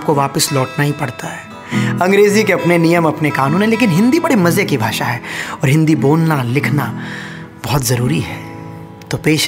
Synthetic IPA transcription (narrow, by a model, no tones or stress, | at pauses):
p̚koʋaːpəslɔːʈnaɦipɐɽt̪aɦɛː | ɐ̃ŋɡɾeːzikeɐpnenijəmɐpnekaːnũːnɦẽleːk̬ɪnɦɪ̃nd̪ibɐɽimɐzjəkibʱaːʃaɦɛːɔːɾɦɪ̃nd̪iboːlnalɪkʰna | bɐɦʊt̪zɐɾuːɾiɦɛː | t̪oːpeːʃ